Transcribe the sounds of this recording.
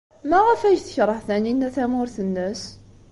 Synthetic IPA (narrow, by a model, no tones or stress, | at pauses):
mæʁæfæʝθə̥çɾˤəħθæninæθæmʊɾθənːəs